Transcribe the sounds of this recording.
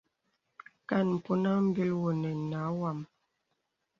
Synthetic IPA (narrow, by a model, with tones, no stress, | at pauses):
ka˦˨nm̩˨pu˦na˦m̩˦bi˦lwo˨nɛ˨na˨˦wa˦˨m